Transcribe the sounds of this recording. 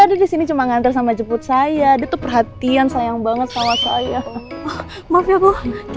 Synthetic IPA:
adadisinit͡ʃumaŋant̪ɪrsamad͡ʒəpʊt̪̚sajadiat̪upərɦat̪iansajaŋbaŋət̪samasajaɔh | mafiat̪ɔk

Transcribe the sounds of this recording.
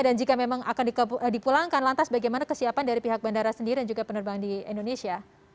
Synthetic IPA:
dand͡ʒikamemaŋakandipulaŋkanlant̪asbaɡajmanakəsiapandaɾipiɦak̚bandaɾasəndiɾidand͡ʒuɡapənərbaandiɛndonesia

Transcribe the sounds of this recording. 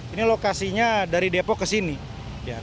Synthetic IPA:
inilokasiɲadaɾidepɔkːəsini | ia̰

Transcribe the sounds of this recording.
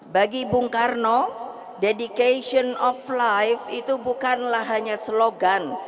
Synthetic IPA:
baɡibuŋkarnɔ | dedikaʃiɔnɔflajfit̪ubukanlahɦaɲasəloɡan

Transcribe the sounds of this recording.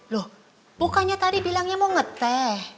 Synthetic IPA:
loh | bukaɲat̪adibilaŋɲamoŋət̪ɛh

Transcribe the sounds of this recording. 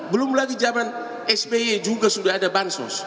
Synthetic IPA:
bulumulaɡid͡ʒaban | ɛsbeed͡ʒuɡasudadabansɔ̰̃s

